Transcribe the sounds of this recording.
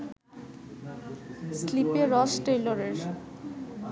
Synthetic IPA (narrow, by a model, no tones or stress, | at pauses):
slipeɾɔsʈejloɾeɾ